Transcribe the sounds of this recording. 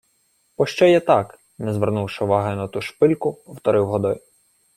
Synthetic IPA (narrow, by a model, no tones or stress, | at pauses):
pɔʃt͡ʃɔjɛt̪ɑk | nɛzʋernuwʃɪʊʋɑɦɪnɐt̪uʃpɪlʲkʊpɔwt̪ɔɾɪwɦɔd̪ɔj